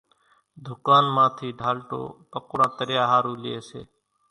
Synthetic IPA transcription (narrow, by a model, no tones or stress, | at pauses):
d̪ʱʊkaːnmãːt̪ʰiːɖʱaːlʈo̰ːpəkɽãːt̪əɾjaːɦaːɾũːlɪeːsḛː